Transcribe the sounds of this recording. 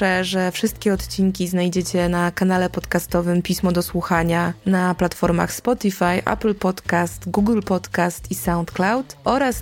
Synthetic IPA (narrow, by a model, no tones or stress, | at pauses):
ɛʐɛfʂɘst̪kʲɛɔt̪t͡ɕiŋkʲiznajd͡ʑet͡ɕɛnakanalɛpɔt̪kast̪ɔvɘmpʲismɔd̪ɔswuxaɲanaplat̪fɔɾma̰xspɔt̪ifajʔa̰plpɔt̪kast̪ɡuɡlpɔt̪kast̪isawnt̪klawt̪ʔɔɾas